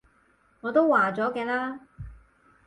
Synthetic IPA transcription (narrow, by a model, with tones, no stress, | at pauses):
ŋɔː˨˧t̪o˥wwaː˨˩t͡sɔː˨˥kɛː˧laː˥